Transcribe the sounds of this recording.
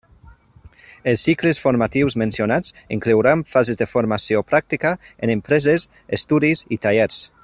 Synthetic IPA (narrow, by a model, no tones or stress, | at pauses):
elsːiklesfoɾmat̪iwzmẽnsjonat͡siŋklewɾaɱfazezðefoɾmasiopɾak̚t̪ikaenempɾɛzes | est̪udizit̪aʎɛɾs